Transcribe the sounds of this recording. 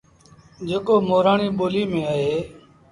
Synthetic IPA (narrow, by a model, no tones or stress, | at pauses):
d͡ʒeːkoːmoːɾaːɳiːɓoːliːmẽːaːɦeː